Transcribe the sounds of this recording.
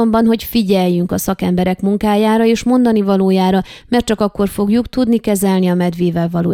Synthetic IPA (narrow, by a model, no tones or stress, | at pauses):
ombɒnɦo̞cfiɟɛjːyŋkɒsɒkɛmbɛɾɛkmuŋkaːjaːɾɒeːʃmo̞nd̪ɒnivɒloːjaːɾɒmɛrt̪t͡ʃɒkɒkːo̞rfo̞ɡjukt̪ud̪nikɛzɛlniɒmɛd̪ʋeːvɛlvɒlo̰ː